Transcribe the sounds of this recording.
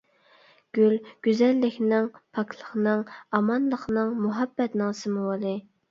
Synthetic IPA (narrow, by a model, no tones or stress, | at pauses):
ɡ̥ʲylɡ̥ʲyzɛlːɪkʲnɪŋpʰɑkʰlˠə̥χnɨŋɑmɑnlˠəχnɨŋmuɦɑbːɛt̪nɨŋsɨmuwɑlˠɨ